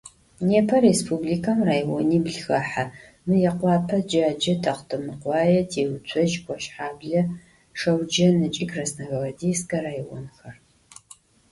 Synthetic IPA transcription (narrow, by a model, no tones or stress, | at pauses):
neːpʰɐɾespʰubliːkʰɐmraːjwɔniːbɮxɐħa | mɨjɛqʷɑːpʰɐd͡ʒaːd͡ʒɐtʰɐqtʰɨmɨqʷɑːjɛtʰeːwt͡ʃʷʰʼɔʒɡʷɔʃħaːbɮɐ | ʂɐwd͡ʒɐnɨt͡ʃʼikrɐsnɐɣɐʁɐdeskʼɐraːjwɔ̰nxɐr